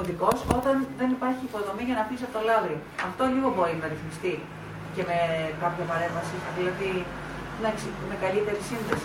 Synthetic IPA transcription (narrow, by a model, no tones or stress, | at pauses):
oðiko̞so̞t̪ɐnðe̞nipɐɾçiːpo̞ðo̞miʝɐnɐfisɐpot̪o̞lɐðɾioɐft̪o̞ʎiɣo̞bo̞ɾinɐɾiθmist̪i | ce̞me̞kɐpçɐpɐɾe̞ɱvɐsiðilɐði | nɐksimekɐlit̪e̞ɾisinðesi̥